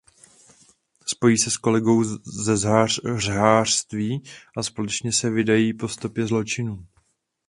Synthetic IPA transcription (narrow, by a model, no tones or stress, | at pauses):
spo̞jiːsɛsko̞lɛɡo̞wzɛzɦarɦaːr̥st̪viːʔaspo̞lɛt͡ʃɲɛsɛvɪdajiːpo̞st̪o̞pjɛzlo̞t͡ʃɪnuː